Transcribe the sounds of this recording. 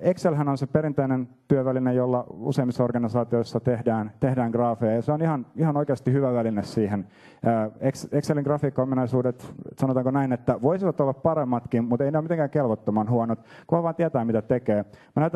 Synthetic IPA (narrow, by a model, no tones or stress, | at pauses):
ekselhænonsepeɾint̪einent̪yøʋælinejolːɑṵseimːisːɑorɡ̥ɑnisɑːt̪ioisːɑt̪ehdæːnt̪ehdæːŋɡ̥rɑːfejɑjɑseonihɑnihɑnoikeɑst̪ihyʋæʋælinessiːhenː | eksekseliŋɡ̥rɑfiːkːɑominɑisuːdet̪sɑnot̪ɑːŋkonæinet̪ːæʋoisiʋɑt̪olːɑppɑɾemːɑt̪kimmut̪eineomit̪eŋkæːŋkelʋot̪ːomɑnhuɑnot̪kuhɑʋɑːnt̪iæt̪æːmit̪æt̪ekeːmænæt̪ː